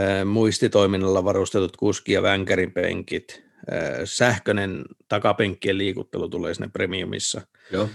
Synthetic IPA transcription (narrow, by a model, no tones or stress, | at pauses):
muist̪it̪oiminːɑlːɑʋɑrust̪et̪ut̪kuskiɑʋæŋkæripḛŋkit̪ː | sæhkønent̪ɑkɑpeŋkːielliːkut̪ːelut̪ulḛːsinːæ̰premiumḭsːɑ | o